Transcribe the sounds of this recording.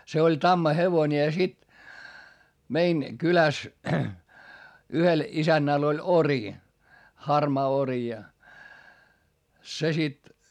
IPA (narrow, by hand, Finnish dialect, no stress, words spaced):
se olʲ tɑmːɑheʋonʲe jɑ sit mein kylæs yhel isænːæl olʲ ori hɑrmɑː ori jɑ se sit